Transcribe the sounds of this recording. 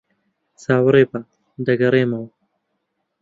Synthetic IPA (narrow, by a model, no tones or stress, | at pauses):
saːwɐɾeːpa | d̪ɐɡɐɾeːmɐw